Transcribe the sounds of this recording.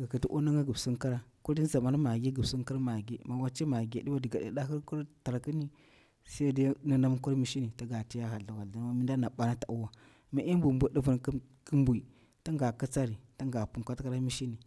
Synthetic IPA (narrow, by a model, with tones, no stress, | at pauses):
ɡa˨kə˨ti˦ʔu˦na˦ŋɡa˦ɡu˨bsu˦nka˦ɾa˦ku˦di˦za˨ma˦n˦ma˨ɡi˦ɡə˨bsu˦ŋka˦ɾma˨ɡi˦ma˨wa˦t͡ʃi˦ma˨ɡe˨di˦wa˦di˨ɡa˨da̰˨da˦ɦi˦ɾku˦ɾta˨ɾa˨ki˦ni˦ | sa˦da˦na˦na˦m˦ku˦ɾmi˦ʃi˦ni˨ta˦ɡa˨ti˦ja˦ɦa˨ɮa˨wa˨lda˨n˦ma˦mi˦nda˦na˨ɓa˦na˦ta˨u˦wa˦ | ma˨ʔi˦mbʷu˨mbʷu˨˦di˦və˨nk | kə˦mbu˨i˨ | ta˦ŋɡa˨kə˦t͡sa˦ɾi˨ta˦ŋɡa˨pu˨ŋkʷa˦tka˦ɾa˦mi˦ʃi˦ni˨